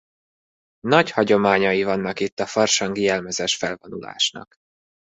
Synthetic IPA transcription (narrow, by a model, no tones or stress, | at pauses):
nɒɟhɒɟo̞maːɲɒjivɒnːɒkit̪ːɒfɒrʃɒŋɡiɛlmɛzɛʃfɛlvonṵla̰ːʃnɒ̰k